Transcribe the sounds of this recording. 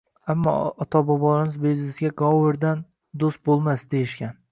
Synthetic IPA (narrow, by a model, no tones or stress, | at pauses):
amːɒ̰ɒt̪ʰɒbɒbɒlanɪzbiznɪsɡʲaɡɒwɪɾd̪an | d̪ost̪̚bolˠmasd̪ejɪʃkʲan